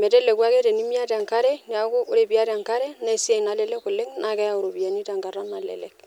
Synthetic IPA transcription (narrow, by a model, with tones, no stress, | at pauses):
mɛ˨tɛ˦lɛ˨kwa˦ke˦te˨ni˦mi˦a˦ta˨ŋka˦ɾɛ˦ni˨a˨˦ko˦ʔo˦ɾe˨pi˨a˦ɾa˨ŋka˦ɾɛ˦nɛ˦sa˨i˨na˨lɛ˦lɛ˦kʊ˨le˦ŋna˨kɛ˦ja˦˨o˨ɾo˨bi˨a˨ni˦ta˨ŋɡa˨ɾa˦na˨lɛ̰˨lɛ̰˨k̚